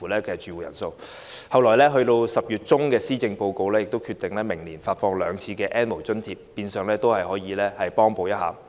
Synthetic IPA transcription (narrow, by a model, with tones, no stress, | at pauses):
u˨˩lɛː˥kɛ˧t͡ʃyː˨˩wuː˨jɐ̰˨˩nso˧w | hɐ˨wlɔː˨˩jlɛː˥ɦɵ˧ɥt̪o˧wsɐ˨p̚jyː˨t̚t͡ʃʊ˥ŋkɛː˧siː˥t͡sɪ˧ŋpo˧wko˧wlɛ˥jɪ˨k̚t̪o˥wkʰyː˧t̪ɪ˨ŋlɛː˥mɪ˨˩ŋliː˨˩nfaː˧tfɔː˧ŋlœː˨˧ŋt͡sʰiː˨˧kɛː˧ʔɛː˥nmo˨˩wt͡sɵ˥nt͡sʰiː˧p̚ːiː˧nsœː˨ŋlɛː˥t̪o˥whɐ˨jɦɔː˨˥jiː˨˧lɛː˥hɐ˨jpɔː˥ŋpo˧wjɐ˥t̚ha̰ː˨